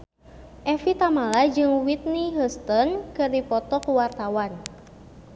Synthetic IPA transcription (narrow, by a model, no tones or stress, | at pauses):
ʔɛfit̪amalad͡ʒɨŋwit̪̚niɦəst̪ɔnkɨrdipɔt̪ɔkwart̪awan